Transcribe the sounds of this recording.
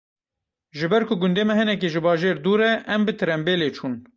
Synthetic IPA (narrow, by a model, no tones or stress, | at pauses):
ʒɨbɛɾkʰʊɡʊnd̪eːmɛɦɨnɛk̬eʒɨbɑːʒeːɾd̪uːɾɛʔɛmbɨt̪ʰɨɾɛmbeːleːt͡ʃʰuːn